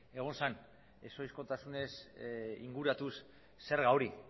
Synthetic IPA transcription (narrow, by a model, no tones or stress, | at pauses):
e̞ɣ̞o̞nsan | e̞so̞jsko̞t̪asune̞sḭŋɡuɾat̪usː | e̞ɾɣawɾi